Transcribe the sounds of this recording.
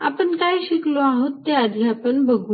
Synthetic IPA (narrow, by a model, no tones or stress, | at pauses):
a̰pəɳkajɕikloaɦot̪ːead̪ʱiapəɳbəɡuː